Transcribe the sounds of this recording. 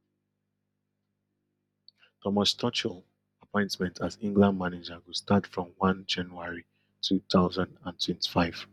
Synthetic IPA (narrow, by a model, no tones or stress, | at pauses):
tʰɔmastʰɔt͡ʃəl | apʰɔ̃ɪ̃ntmɛ̃ntatĩŋɡlãnmanɪd͡ʒaɡustatfɹɔ̃mwʌ̃nd͡ʒãnjuaɹi | tʰut̪aʊzãndãntwɛ̃nti̥faɪv̥